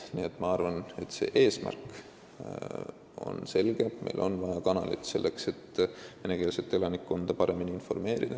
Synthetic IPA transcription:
niet̪ːˑmɑɑrvɑne̞t̪ːse̞̰ːʔe̞ːsmæ̰rk | o̞̰nse̞lɡ̥e̞pme̞̰jlʔo̞̰nvɑjɑkɑnɑlit̪se̞̰lːe̞kse̞t̪vene̞keːlset̪ːˑe̞lɑnikːo̞nd̪̥ɑpɑɾe̞miniinfo̞rme̞ːɾid̪̥ɑ

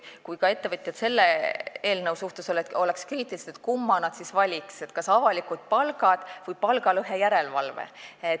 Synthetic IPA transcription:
kujkɑe̞t̪ːe̞vɤt̪ʲjɑd̪se̞lːee̞ːlnəwsjuht̪uso̞let̪o̞lekskriːt̪ːˑiliseeet̪̚kumːɑnɑd̪sisvɑlʲikse̞t̪kɑsɑvɑlikud̪̥̚pɑlɡ̥ɑd̪̥vɨjpɑlɡ̥ɑlɤɦe̞jæɾe̞lvɑ̰lvḛe

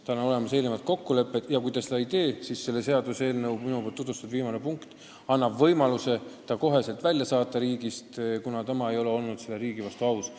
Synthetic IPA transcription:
t̪ɑnːɑo̞le̞mɑse̞ːlnemɑt̪̚ko̞kːule̞pːˑet̪jɑkujd̪ɑsed̪ɑid̪e̞ːsisːe̞lːe̞se̞ɑd̪̥use̞ːlnɤwbminupolt̪ut̪̬vust̪ɑd̥̪viːmɑne̞puŋkt̪ | ɑnːɑbvɤ̞jmɑluse̞t̪ɑko̞ɦe̞se̞lt̪vælʲjɑsɑːt̪ːˑɑɾiːɡ̥ist̪kunɑt̪ɑmɑe̞jo̞le̞o̞lnud̪̥selːeɾiːɡ̥ivɑst̪uɑws

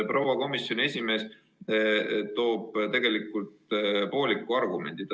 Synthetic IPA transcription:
pro̞wɑko̞misjo̞nie̞sʲime̞ːs | t̪o̞ːb̥t̪e̞ɡ̥e̞likːˑult̪po̞ːlikːuɑrɡ̥umend̪̥id̪

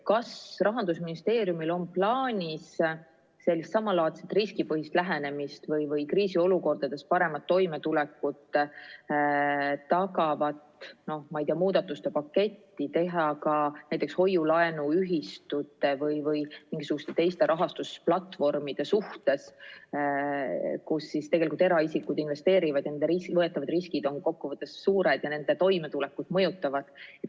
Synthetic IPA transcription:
kɑsrɑɦɑnd̪usminist̪e̞ːɾjumilo̞mplɑːnʲisː | e̞lːist̪sɑmːɑlɑːt̪set̪riskipɤɦist̪læɦe̞ne̞mist̪vɤjvɤjkriːsio̞luko̞rd̪̥ɑd̪e̞s̚pɑɾe̞mɑt̪ːo̞jme̞t̪ulɛkːˑut̪ː | t̪ɑkɑvɑt̪no̞hmɑijt̪iɑmuːd̪̥ɑt̪ːˑust̪e̞pɑkːe̞t̪ʲːit̪e̞ɦɑkɑnæjt̪ːˑe̞ksho̞jːulɑenuyɦist̪ut̪ːˑe̞vɤjvɤjmiŋɡisuɡ̥ust̪e̞t̪e̞jst̪e̞ɾʔɑɦɑst̪usplɑt̪fo̞rmid̪̥e̞suht̪e̞s | kusːist̪eɡe̞likult̪e̞ɾɑisikːˑud̪inve̞st̪e̞ːɾivɑd̪̥jɑnend̪eɾiskvɤet̪ːˑɑvɑd̪riskid̪o̞nko̞kːuvɤt̪ːˑe̞sːuːɾed̪̥jɑne̞nd̪̥e̞t̪o̞jme̞t̪ule̞kːud̪̥mɤjut̪ːˑɑvɑd̪̥

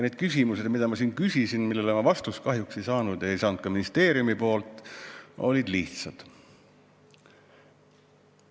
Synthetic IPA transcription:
neːd̪̥̚kysʲimuse̞d̪mid̪ɑmɑs̬iːnkysʲisinmilːelomɑvɑst̪uskɑɦjukse̞jsɑːnud̪e̞jsɑːnud̪̥̚kɑminist̪e̞ːɾijumipo̞ːlt̪ːˑo̞̰lʲid̪liht̪sɑd̪̥

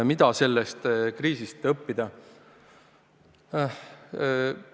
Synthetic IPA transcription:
mid̪ɑse̞lːest̪kriːsist̪ɤpːid̪̥ɑ

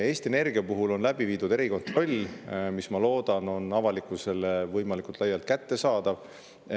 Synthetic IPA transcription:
e̞ːst̪iene̞rɡ̥iɑpuɦulo̞nlæb̥iviːd̪ud̪̥e̞ɾiko̞nt̪ro̞lʲmismɑlo̞ːd̪̥ɑno̞nɑvɑlikˑuse̞levɤjmɑlikult̪lɑjːɑlt̪̚kæt̪ːe̞sɑːd̪̥ɑv

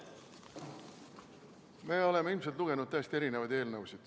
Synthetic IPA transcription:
me̞ːo̞le̞meilmselt̪luɡ̥e̞nud̪̥̚t̪æːst̪ieɾine̞vɑjd̪e̞ːlnɤuwsid̪̥

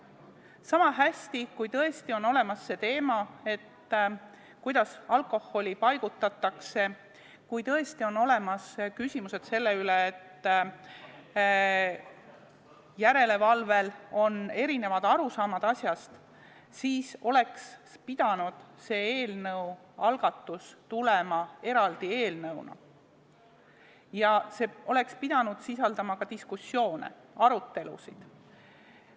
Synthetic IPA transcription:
sɑmɑɦæsʲt̪ikujt̪ɤe̞st̪io̞no̞le̞mɑsːe̞t̪e̞ːmɑe̞t̪ː | kujd̪̥ɑsɑlkˑo̞hːo̞lʲipɑjɡ̥ut̪ːˑɑt̪ːˑɑkse̞ | kujt̪ɤe̞st̪io̞no̞le̞mɑskysʲimuse̞d̪̥se̞lːe̞yleːt̪ː | jæɾe̞le̞vɑlve̞lo̞ne̞ɾine̞vɑd̪̥ɑɾusɑːmɑd̪̥ɑsjɑst̪ | siːso̞le̞kspid̪̥ɑnud̪̥se̞ːeːlnɤw | ɑlɡ̥ɑt̪ːust̪ule̞mɑe̞ɾɑld̪̥ie̞ːlnɤwnɑ̰ | jɑse̞ʔo̞le̞kspid̪̥ɑnud̪̥sisɑld̪ɑmɑkɑt̪iskusːjo̞ːnḛ | ɑɾut̪ːe̞lṵsid̪̥

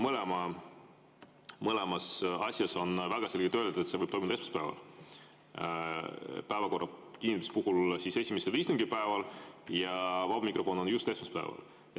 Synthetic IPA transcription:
mɤlɛmɑ | mɤlɛmɑsɑsʲjɑso̞nvæɡ̥ɑselʲɡet̪ːølʲd̪d̪̥et̪se̞vɤjb̥̚to̞jmd̪esmespæːvɑ̰l | pæevɑko̞rːɑkinimispuhulsise̞sʲimeselviːst̪uŋɡipæevɑljɑvɑbɑmikro̞fo̞no̞njust̪e̞smespæ̰evɑ̰l

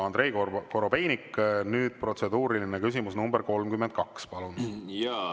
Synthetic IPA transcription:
ɑnd̪ɾe̞jkokoɾo̞pe̞jnikːnyːd̪̥pro̞t̪se̞d̪uːɾilinekysimusnumbeɾko̞lmkymend̪̚kɑkspɑlunjɑ

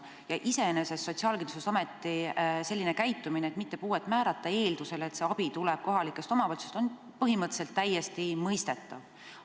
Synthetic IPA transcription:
jɑʔise̞enese̞sːo̞t̪ʲsiɑːlkinususɑmet̪ːise̞lːine̞kæjt̪ːˑumineːt̪mit̪ːe̞puːe̞t̪ːˑmæːɾɑt̪ːˑɑe̞ːld̪use̞let̪se̞ɑb̥it̪ulɛb̥̚ko̞ɦɑlikːˑe̞st̪omɑpɑlt̪su̥st̪o̞n | pɤɦimɤt̪ːse̞lt̪ːæjːest̪imɤjst̪e̞t̪ːˑɑv

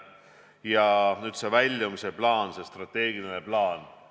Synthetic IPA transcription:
jɑnyːd̪̥sevælʲːjomiseplɑːnse̞st̪rɑt̪ːe̞ːɡ̥ineneplɑːn

